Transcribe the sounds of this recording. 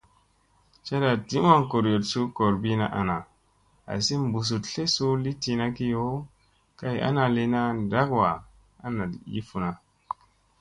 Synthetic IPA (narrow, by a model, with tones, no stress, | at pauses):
t͡ʃa˦da˨di˦ma˦ŋko˨ɾjo˨tsu˦ko˨ɾbi˦na̰˦˨ʔa˨na˨ | a̰˨si˦mbu˨s̬u˨tɬe˦su˦li˦ti˧na˦ki˦jo˦ | ka˦ja̰˦na˧li˦na˦da˦kwa˨ | a̰˦na˨jḭ˦fu˨na˨